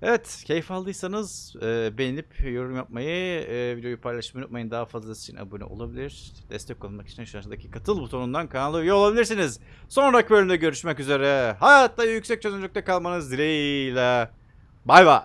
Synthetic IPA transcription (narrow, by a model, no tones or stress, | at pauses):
evɛt̪cʰejfalˠːɯjsanɯzɛːbenʲinʲipjo̞ɾumjap̚majɯvid̪eojupʰajlˠaʃmajunṵt̪majɯnd̪aɦafazlˠasi̥t͡ʃʰina̰bunʲṵʔo̞̰lˠabilʲiɾ̥ | d̪̥ɛst̪ɛc̚kʰːolˠanmaki̥t͡ʃʰinʃaɾʃɯd̪acʰikʰat̪ʰɯlˠbut̪ʰo̞nund̪ankʰanlˠɯjiolˠabilʲiɾsiniz̥ | so̞nɾakbølʲymd̪ɛɟø̞ɾyʃmɛcyze̞ɾɛɦajat̪lˠajajycsɛc̚t͡ʃʰøzynlʲyct̪ɛkalˠmanɯzd̪iɾejilʲɛ | bajba